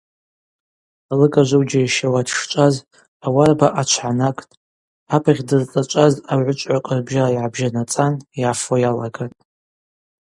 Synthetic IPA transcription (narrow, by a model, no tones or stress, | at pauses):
alɨkʼaʒʷowd͡ʒajʃawadʂt͡ʃʷʼaz | awarbaʔat͡ʃʷʰħanakʼtʼ | apʰʁʲdɨrt͡sʼat͡ʃʷʼazawʕʷʊt͡ʃʷʼʕʷaqʼarbʒaajʕabʒanat͡sʼanjafojalaɡatʼ